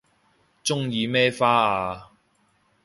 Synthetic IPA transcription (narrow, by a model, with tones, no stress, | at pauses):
t͡sʊ˥ŋjiː˨˧mɛː˥faː˥aː˧